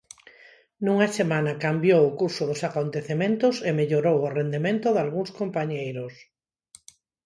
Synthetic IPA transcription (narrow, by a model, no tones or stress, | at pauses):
nuŋasemãnakambjowʊkuɾsʊðosakont̪eθemẽnt̪ʊsemeʎoɾowʊrend̪emẽnt̪ʊðalɣũŋskompaɲejɾos